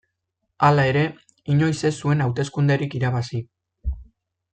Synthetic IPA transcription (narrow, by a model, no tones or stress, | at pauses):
alae̞ɾe̞ | iɲo̞jse̞sue̞nawt̪e̞skund̪e̞ɾikiɾaβasi